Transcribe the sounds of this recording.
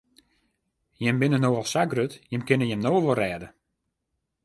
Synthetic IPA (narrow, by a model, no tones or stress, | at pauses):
jɪmbɪnənoɔlˠsaɡrøtjɪmkɪnəjɛmnoːəʋorɛːdə